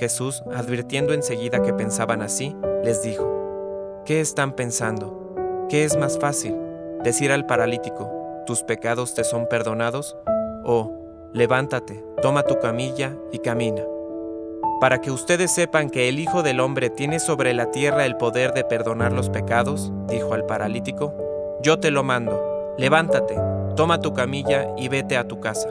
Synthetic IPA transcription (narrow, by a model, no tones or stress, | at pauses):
xe̞susaðβiɾt̪je̞nd̪oe̞nse̞ɣiðake̞pe̞nsaβanasile̞zðixo̞ | ke̞ːst̪ampe̞nsand̪o̞ | ke̞ezmasfasil | d̪e̞siɾalpaɾalit̪iko̞t̪uspe̞kað̞o̞st̪e̞so̞mpe̞ɾðo̞naðo̞s | o | le̞βant̪at̪e̞ | t̪o̞mat̪ukamiʝa | ikamĩna | paɾake̞ust̪e̞ðe̞sːe̞paŋke̞ːlixo̞ðe̞lo̞mbɾe̞t̪je̞ne̞so̞βɾe̞lat̪je̞rae̞lpo̞ðe̞ɾðe̞pe̞ɾðo̞naɾlo̞spe̞kaðo̞s | d̪ixo̞alpaɾʔalit̪iko̞ | ɟ͡ʝo̞t̪e̞lo̞mãnd̪o̞ | le̞β̞ant̪at̪e̞t̪o̞mat̪ukamiʝa | iβe̞t̪e̞at̪ukasḁ